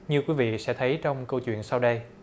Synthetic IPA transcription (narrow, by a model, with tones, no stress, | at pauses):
ɲɨ˧kwi˨˦vḭ˧˨sɛ̰˧˥t̪ʰə˨˦jt͡ɕɔ˧wŋ͡mkə˧wt͡ɕwḭ˧˨ənsa˧wɗə˧j